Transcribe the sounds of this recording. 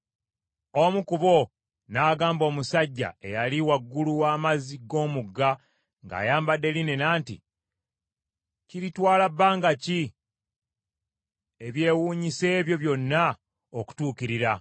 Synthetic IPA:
omukuβo̞ | naːɡaːmbo̞ːmusaɟːa̰e̞jaliwaɡːuluwaːmaziɡo̞ːmuɡːa | ŋɡa̰ːjaːmbadːe̞line̞naːntḭ | ciɾitwaːlabːaːŋɡaci | e̞βje̞ːwuːɲise̞ːβjo̞βjo̞nːa | oku̥tuːkiɾiɾa

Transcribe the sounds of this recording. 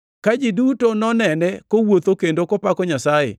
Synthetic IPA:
kad͡ʒidutonɔnɛnɛkowot̪okendokɔpakɔɲasajḛ

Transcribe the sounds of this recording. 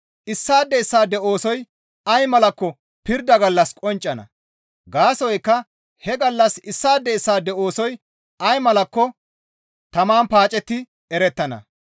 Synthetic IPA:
ʔɪsːaːd̪ːɛɪsːaːd̪ɛʔo̞ːsɔj | ɐjmɐlɐkːɔ | pɪɾd̪ɐɡɐlːɐskʼɔnt͡ʃʼːɐnɐ̰ | ɡaːsɔjkːɐ | hɛɡɐlːɐsɪsːaːd̪ːɛɪsːaːd̪ɛʔo̞ːsɔj | ʔɐjmɐlɐkːɔ | t̪ɐmaːnpaːt͡ʃʼɛt̪ːɪ | ɛɾɛt̪ːɐnɐ̰

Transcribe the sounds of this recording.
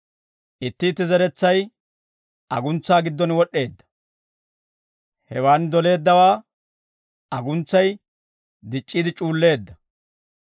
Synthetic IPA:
ʔɪt̪ːɪt̪ːɪzɐɾɛt͡sːɐj | ʔɐ̰ɡʊnt͡sːaːɡɪd̪ːɔnwɔɗːe̞ːd̪ːɐ̥ | hɛwaːnd̪ɔle̞ːd̪ːɐwaː | ɐɡʊnt͡sːɐj | d̪ɪt͡ʃʼːiːd̪ɪt͡ʃʼuːlːe̞ːd̪ːɐ

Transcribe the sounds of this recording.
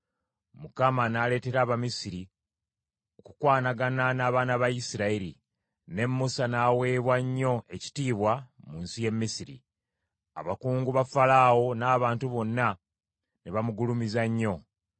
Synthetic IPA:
mukamanaːle̞ːte̞ɾaːβamisiɾi | o̞ku̥kwaːnaɡananaːβaːnaβajisiɾaeɾi | ne̞mːusanaːwe̞ːβwaɲːo̞e̞ci̥tiːβwamuːnsije̞mːisiɾḭ | a̰βakuːŋɡuβafalaːwo̞naːβaːntuβo̞nːa | neβamuɡulumizaɲːo̞

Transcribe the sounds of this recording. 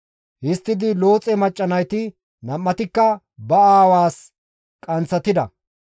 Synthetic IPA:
hɪst̪ːɪd̪ɪlo̞ːt͡sʼɛmɐt͡ʃʼːɐnɐjt̪ɪ | nɐmːɐt̪ɪkːɐ | bɐaːwaːs | kʼɐnt͡sːɐt̪ɪd̪ɐ̰

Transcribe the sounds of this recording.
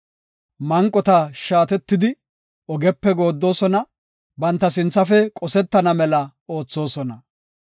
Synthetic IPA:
mɐŋkʼːɔt̪ɐʃaːt̪ɛt̪ːɪd̪ɪ | ɔɡɛpːɛɡo̞ːd̪ːo̞ːsɔnɐ | bɐnt̪ːɐsɪnt͡sːɐfɛkʼɔsɛt̪ːɐnɐmɛlɐ | o̞ːt͡sːo̞ːsɔnɐ

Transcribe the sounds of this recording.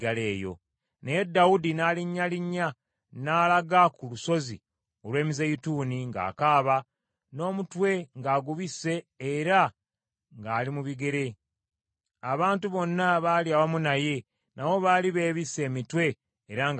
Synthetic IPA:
ɡale̞ːjo̞̰ | ne̞jedːawudinaːliɲːaliɲːa | naːlaɡakuluso̞zḭ | o̞lwe̞ːmizejituniŋɡa̰ːkaːβa | no̞ːmutwe̞ŋɡaːɡuβisːe̞ː | ɾa | ŋɡaːlimuβiɡe̞ɾe̞ | aβaːntuβo̞nːaβaːliawamunaje̞ | nawo̞βaːliβe̞ːβisːe̞ːmitwe̞ː | ɾaŋ

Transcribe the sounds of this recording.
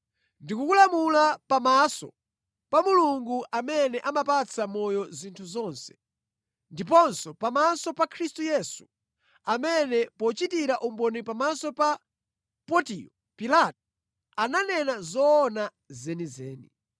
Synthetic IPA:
ndikukulamulapamasɔ̰ | pamuluŋɡuʔamɛnɛʔamapat͡sʰamɔjɔzintʰuzɔnsɛ̥ | ndip̬ɔnsɔpamasɔpakʰɾistujɛsu̥ | amɛnɛpɔt͡ʃitiɾaʔumbɔnipamasɔpa | pɔtiɔ | pilatɔ | ananɛnazɔːna | zɛnizɛːnḭ

